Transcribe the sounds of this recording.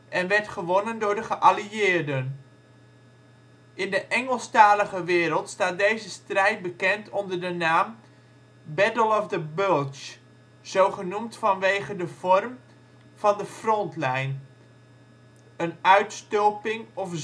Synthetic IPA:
ʔɛnʋɛɹtχəʋɔnəndʊːɹdəχəʔaliɪːɹdən | ʔɪndəʔɛŋəlˠstaːləχəʋɪːɾəlˠtstaːt̚dejzəstrɛjt̚bəkɛntɔndəɹdənaːm | bɛdəlˠɔfdəbølˠt͡ʃ | z̥owχənumtfɑnʋejχədəv̥ɔrm | v̥ɑndəfrɔntlɛjn | ənœɥtstɔwpɪŋɔf

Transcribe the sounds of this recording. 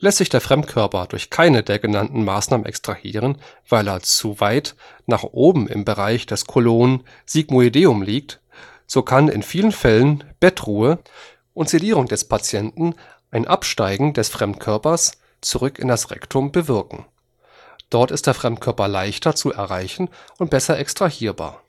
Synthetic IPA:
lɛstz̥ɪçd̥eːɐfʁ̥ɛmtkʰœɐpɐdʊɐçkʰaɪnədeːɐɡənantn̩maːsnaːmə̰nʔɛ̰kstʁ̥ahḭːʁ̞ən | v̥aɪleːɐt͡suvaɪt | naːχʔoːbm̩ɪ̰mbəʁaɪçd̥ɛskʰoloːnən | z̥iɡmoedeːʊmliːk̚t | z̥oːkʰanɪ̰nfiːlənfɛlənb̥ɛtʁ̥uːə | ʔʊntz̥eliːʁʊŋdɛspʰat͡sjɛntn̩ | ʔaɪnʔapʃtaɪɡŋ̩dɛsfʁ̥ɛmtkʰœɐpɐs | t͡suʁʏkɪ̰ndasʁɛ̰ktʰʊmbəvɪɐkŋ̩ | d̥ɔɐtɪst̚d̥eːɐfʁ̥ɛmtkʰœɐpɐlaɪçtɐt͡suʔɛɐʁaɪçn̩ʊnt̚b̥ɛsɐʔɛkstʁ̥ahiːɐba̰ːɐ

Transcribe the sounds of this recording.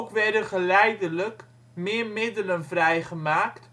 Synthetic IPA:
kvɛrdəχəlɛjdələk | mɪərmɪdələnfrɛjχəmaːkt

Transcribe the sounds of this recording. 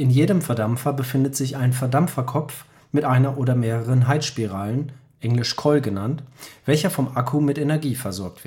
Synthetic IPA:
ʔɪnjeːdəmfɛɐdamfɐbəfɪndətz̥ɪçaɪnfɛɐdamfɐkʰɔp͡f | mɪtʔaɪnɐʔoːɾɐmeːʁəʁənɦaɪtʃpiʁaːlən | ʔɛŋlɪʃkʰɔlɡənantv̥ɛlçɐfɔmʔakʰumɪtʔenɛɐɡiːfɛɐzɔɐk̚tv̥ɪ

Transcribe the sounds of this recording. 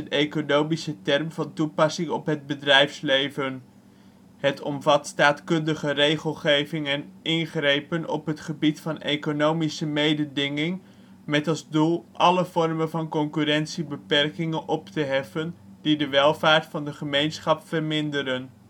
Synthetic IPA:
ənejkonowmisətɛrmvɑntupɑsɪŋɔpɦəd̚bədrɛjfslejvən | hətʰɔ̰mvɑtstaːtkɵndəχərejχəlˠχejvɪŋɛnʔɪnχrejpənɔ̰pɦətχəbitfɑnejkonowmisəmejdədɪŋɪŋ | mɛtɑlˠzdulˠʔɑləv̥ɔrmənvɑnkɔŋkyrɛnsibəpɛrkɪŋənʔɔptəɦɛfəndidəʋɛlˠvaːɹtfɑndəχəmejnsχɑpfərmɪndəɾən

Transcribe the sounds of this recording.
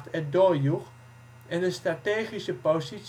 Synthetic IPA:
tɛt̚doːɹjuχ | ɛndəstrateːχisəposis

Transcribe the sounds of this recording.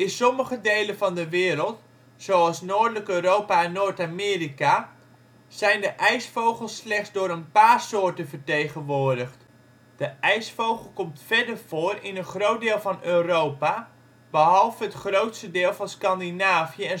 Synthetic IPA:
ɪnsɔməχədejləvɑndəʋɪːɾəlˠt | sowɑlˠsnoːɹdələkøːrowpaɛnːoːɹtaːmɪːrika | z̥ɛjndəʔɛjsfowχəlˠslɛχzdʊːɾənpaːrsoːɹtənvəɹtejχənʋoːɹdəχt | d̥əʔɛjsfowχəlˠkɔmtfɛdərv̥oːrɪnənχrowt̚dɪːlˠvɑnøːrowpa | b̥əɦɑlˠvəətχrowtstədɪːlˠvɑnskɑndinaːvjəɛn

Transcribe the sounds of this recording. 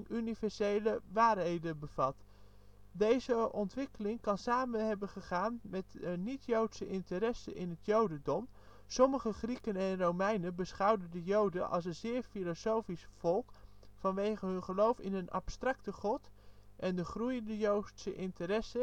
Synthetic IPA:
nynivɛɹsejləʋaːrɦejdəbəvɑt | dejzəʔɔntʋɪkəlɪŋkɑnsaːmənɦɛbəχəχaːnmɛtənitjowtsəʔɪntəɾɛsə̰ʔɪnɦətjowdəndɔm | sɔməχəχrikənɛnrowmɛjnənbəsχɑwdəndəjowdənʔɑ̰lˠs̬ənzɪːɹfilosowfisfɔlˠkfɑnʋejχəɦɵnχəlowfɪnənɑ̰pstrɑktəχɔtʔɛndəχrujəndəjowtsəʔɪntərɛsə

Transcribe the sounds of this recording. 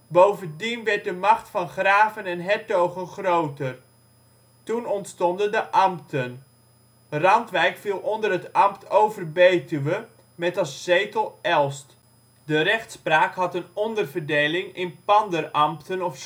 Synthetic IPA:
bowvəndinʋɛɹt̚dəmɑχtfɑnχraːvənɛnɦɛtowχənχrowtər | tunɔntstɔndəndəʔɑmptʰən | rɑntʋɛjkfilˠɔndərɦətɑmptʰowvərbejtyʋə | mɛtɑsz̥ejtəlˠɛlˠst | dərɛχtspraːkɦɑtənɔndərvərdejlɪŋɪnpɑndərɑmptənɔf

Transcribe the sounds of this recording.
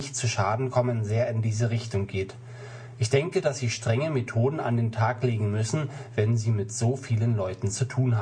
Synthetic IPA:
çtt͡suʃaːdn̩kʰɔmənzeːɐɪndiːzəʁ̞ɪçtʊŋɡeːt | ʔɪçd̥ɛŋkədasz̥iːʃtʁ̥ɛŋəmetʰoːdn̩a̰ndeːntʰaːkleːɡŋ̩mʏsn̩vɛnziːmɪtz̥oːfiːlənlɔʏtn̩t͡sutʰuːnhaː

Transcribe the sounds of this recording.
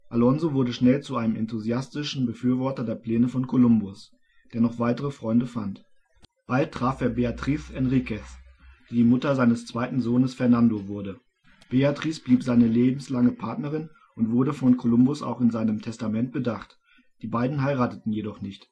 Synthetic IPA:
ʔalɔnzovʊɐdəʃnɛlt͡suʔaɪnəmɛntuziastɪʃn̩bəfyːɐvɔɐtɐdeːɐpl̥ɛːnəfɔnkʰolʊmbʊs | d̥eːɐnɔχv̥aɪtəʁəfʁ̥ɔʏndəfa̰nt | b̥alt̚ːʁ̥aːfʔeːɐbeatʁ̥iːsɛnʁikɛs | d̥iːdiːmʊtɐzaɪnəst͡sv̥aɪtn̩zoːnəsfɛɐnandovʊɐdə | b̥eatʁ̥iːsb̥liːpz̥aɪnəleːbm̩slaŋəpʰaɐtnəʁ̞ɪn | ʔʊntv̥ʊɐɾəfɔnkʰolʊmbʊsa̰ʊxɪnzaɪnəmtʰɛstamɛnt̚b̥ədaχt | d̥iːbaɪdn̩ɦaɪʁaːtətn̩jedɔχnɪçt

